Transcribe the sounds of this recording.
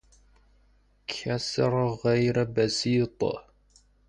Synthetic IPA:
kʰasɾˤɣajɾbasiːt̪ˤɑ̰

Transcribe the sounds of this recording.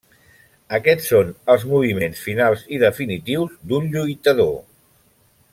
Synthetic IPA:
əkɛsːonəlˠzmuβ̞imensfinalˠziðəfinit̪iwzd̪unʎujt̪əðo̰

